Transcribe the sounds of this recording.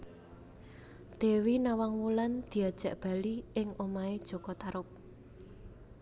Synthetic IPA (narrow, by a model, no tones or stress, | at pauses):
d̪̥e̤winawaŋwuland̪̥i̤ad̥ʒ̥a̤ʔb̥a̤liɪŋomaed̥ʒ̥ɔ̤kɔt̪aɾʊp̚